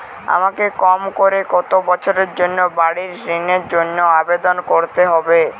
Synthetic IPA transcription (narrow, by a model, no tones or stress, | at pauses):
a̰makekɔmkoɾekɔt̪obɔt͡ɕʰoɾeɾd͡ʑonːobaɽiɾsɾineɾd͡ʑonːoabed̪onkoɾt̪eɦɔbe